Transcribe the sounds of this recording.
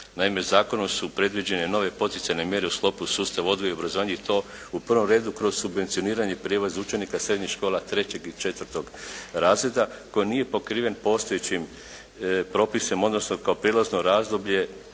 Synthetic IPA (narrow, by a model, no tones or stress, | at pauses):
naime̞zaːko̞nomsupɾe̞d̪ʋid͡ʑe̞ne̞no̞ʋe̞po̞t̪it̪sajne̞mje̞ɾeusklˠo̞pusuːst̪aʋo̞d̪ɡoijo̞bɾazoʋaɲeit̪o̞ | upr̩ʋo̞mɾe̞ːd̪ukɾo̞zsubʋe̞nt̪sio̞niːɾaɲe̞pɾjeʋazut͡ʃe̞nikasɾe̞d̪ɲixʃko̞ːlˠat̪ɾe̞t͡ɕe̞ɡit͡ʃe̞t̪ʋɾt̪o̞ɡɾaːzɾe̞d̪ako̞jinije̞po̞kɾiːʋe̞npo̞ːst̪o̞jet͡ɕim | pɾo̞pise̞mo̞d̪no̞sno̞kaopɾelˠazno̞ɾaːzd̪o̞bʎe̞